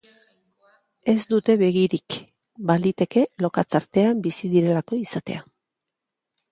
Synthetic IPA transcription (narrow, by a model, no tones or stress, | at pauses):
e̞zd̪ut̪e̞βe̞ɣiɾik | balit̪e̞ke̞lo̞kat͡saɾt̪e̞ambisiðiɾe̞lako̞isat̪e̞̰a